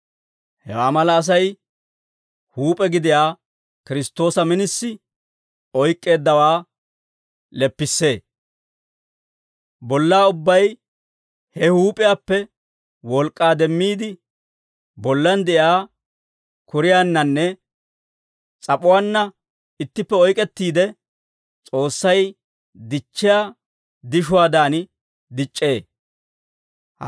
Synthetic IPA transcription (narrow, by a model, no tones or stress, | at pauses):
hɛ̰waːmɐlɐːs̬ɐj | huːpʼɛɡɪd̪ɪjaː | kɪɾɪst̪ːo̞ːsɐmɪnɪsːɪ | ɔjkʼːe̞ːd̪ːɐwaː | lɛpːɪsːe̞ː | bɔlːaːʊbːɐj | hɛhuːpʼɪjaːpːɛ | wɔlkʼːaːd̪ɛmːiːd̪ɪ | bɔlːɐnd̪ɛʔjaː | kʊɾɪjaːnːɐnːɛ | t͡sʼɐpʼʊwanːɐ | ɪt̪ːɪpːɛɔjkʼɛt̪ːiːd̪ɛ | t͡sʼo̞ːsːɐj | d̪ɪt͡ʃːɪjaː | d̪ɪʃʊwaːd̪aːnɪ | d̪ɪt͡ʃʼːe̞ː